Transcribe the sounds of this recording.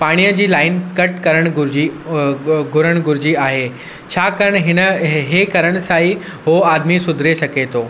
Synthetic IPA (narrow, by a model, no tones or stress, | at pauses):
paːɽ̃ijəd͡ʑiːlaːɪnkɐʈkɐɾəɽ̃ɡʊɾd͡ʑi | ɡʱʊɾəɽ̃ɡʱʊɾɪd͡ʑiaːɦeː | t͡ɕʰaːkɐɾəɽ̃ɦɪnəɦekɐɾəɽ̃ʊ̆saːi | ɦoːaːd̪misʊd̪ʱɾesɐɡʱet̪ʰoː